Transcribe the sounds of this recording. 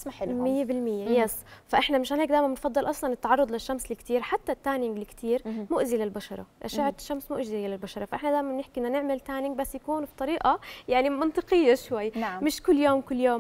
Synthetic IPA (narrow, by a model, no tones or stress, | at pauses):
smaħɪlmɪjːebɪlmɪjːejesfaʔɪħnamɪʃhanheːkd̪aːjmanbɪnfɑd̪ˤːɨlʔɑsˤlɑnɪt̪ːɑʕɑrˤːʊd̪ˤlaʃːamslɪkt̪iːɾħat̪ːat̪ːaːnɪŋɡlɪkt̪ʰiːɾmʊʔzilalbaʃɑ̰ɾˤɑ̰ʔa̰ʃaʕɾɪ̥ʃːamsmʊʔʒialalbaʃɑɾˤɑfaʔɪħnad̪aːjmanbnɪħkiʔɪnːʊnɪʕmɪlt̪aːnɪŋɡ̚basːjakuːnbit̪ˤɑɾiːʔajaʕnimɑnt̪ˤɨqɨjːaʃwajːnamɪʃkʊlːjoːmkʊlːjoːm